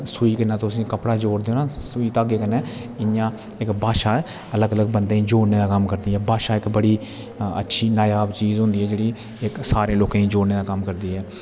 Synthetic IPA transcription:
suiːkənãːt̪ʊsĩːkəpɽaːd͡ʒoːɽd̪eːoːnãːsʊiːt̪aːɡeːkənɛː | ɪjãː | ɪkbaːʃaːɛː | ələɡələɡbənd̪ẽːiːd͡ʒoːɽneːd̪aːkəmkəɾd̪iːɦɛːbaːʃaːɪkbəɽiː | ə̰tːʃʰiːnaːjaːbt͡ʃiːzɦʊ̃nd̪iːɛːd͡ʒeːɽiː | ɪksaːɾẽːloːkãːĩːd͡ʒoːɽneːd̪aːkəmkəɾd̪iːɦɛː

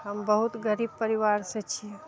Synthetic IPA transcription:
ɦɐmbɐɦʊt̪ɡəɾiːb̚pəɾiʋaːɾset͡ʃʰie

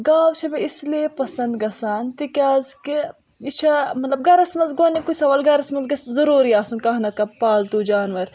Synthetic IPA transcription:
ɡaːwt͡ʃʰɐbeisleːpɐsɐnd̪ɡɐsaːnt̪ikʲaːzki | it͡ʃʰɐmɐt̪lɐb̚ɡɐɾɐsmɐnzɡonikusɐʋɐlɡɐɾɐsmɐnzɡɐszɐɾuːɾiaːsũnkɐɦnɐkɐpaːlt̪uːd͡ʒaːnʋɐɾ

